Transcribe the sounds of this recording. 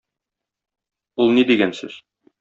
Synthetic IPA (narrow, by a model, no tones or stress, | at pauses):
ulˠnid̪iɡænsɘ̰z̥